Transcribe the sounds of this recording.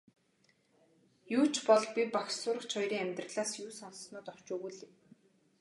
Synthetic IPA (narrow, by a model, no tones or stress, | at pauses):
juːt͡ɕʰpɔɮpʲipaxsʊːɾə̆kt͡ɕʰχɔjɾiːŋæmʲt̪rə̆ɮaːsjuːsɔnsnʊːt̪ɔw̥t͡ɕuːɣuɮiw